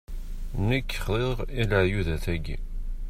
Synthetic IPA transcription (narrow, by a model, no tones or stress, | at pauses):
nəkːχðˤeʁiləʕjuðæθæɡḭ